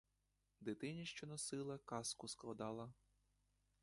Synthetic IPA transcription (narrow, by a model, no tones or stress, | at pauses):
d̪ɪt̪ɪnʲiʃt͡ʃɔnɔsɪlˠɐkɑskʊsklˠɐd̪ɑlˠɐ